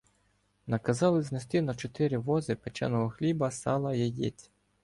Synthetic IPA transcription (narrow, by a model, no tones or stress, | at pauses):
nɐkɐzɑlˠɪznest̪ɪnɐt͡ʃɔt̪ɪɾʲiʋɔzɪpet͡ʃɛ̰nɔɦɔxlʲibɐsɑ̰lˠɐjɛjʲḭt͡sʲ